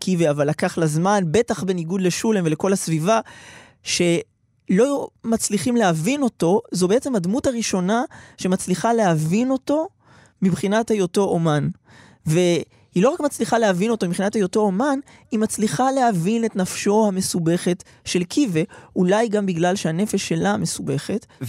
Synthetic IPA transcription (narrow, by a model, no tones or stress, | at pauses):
kʰiveavalːakaχlazmanbe̞taχbe̞niɡud̪le̞ʃulemve̞le̞ko̞lasviva | ʃe̞ | lo̞mat͡sliχimlehavino̞to̞zobeet͡se̞mhadmutaʁiʃo̞naʃe̞mat͡sliχale̞ɦavino̞to̞ | mibχinathajo̞to̞ʔoman | ve̞ | hilo̞ʁakmat͡sliχaleavino̞t̪omibχinathajo̞to̞oman | imat͡sliχale̞havine̞tnafʃo̞hame̞sube̞χe̞t | ʃe̞lkʰive̞ulajɡambiɡlalʃehane̞feʃːe̞lame̞sube̞χe̞t